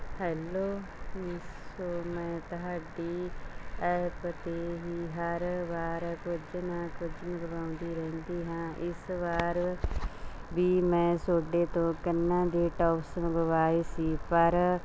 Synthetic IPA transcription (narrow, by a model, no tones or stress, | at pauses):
hɛːloː | mɪsoːmɛ̃ːt̪ʊɦaːɖiːɛːpət̪eːɦiːɦəɾʋaːɾkʊd͡ʒnãːkʊd͡ʒməɡbaːʊ̃nd̪iːɾɛ̃ːnd̪iːɦãːʔɪsʋaːɾ | biːmɛ̃ːsoːɖeːt̪õːkənːãːd̪eːʈɔːpsɡəʋaːeːsiːpəɾ